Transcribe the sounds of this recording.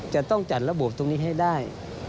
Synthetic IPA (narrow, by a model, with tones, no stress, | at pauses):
t͡ɕa˨˩t̪ɔ˥˩ŋt͡ɕa˨˩t̪̚la˧˥bo˨˩p̚t̪ʰo˧ŋniː˧˥˩ɦa˥˩jdaː˥˩j